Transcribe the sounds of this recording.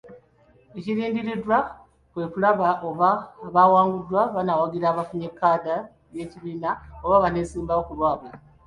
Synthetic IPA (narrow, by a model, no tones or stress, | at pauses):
eciɾiːndiɾidwa | kwe̞ːkulaβaʔo̞βaβawaːŋɡudwaβanawaɡiɾaːβafuɲekːaːda | je̞ciβiːnao̞βaβane̞ːsiːmbaokulwaːβa